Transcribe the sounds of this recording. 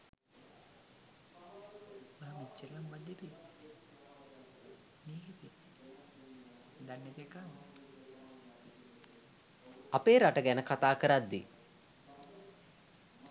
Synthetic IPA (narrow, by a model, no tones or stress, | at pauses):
mamit͡ʃːellambad̪ebi | miːɦit̪i | d̪anːet̪ekan | apeːɾaʈəɡænəkat̪aːkəɾad̪ːḭ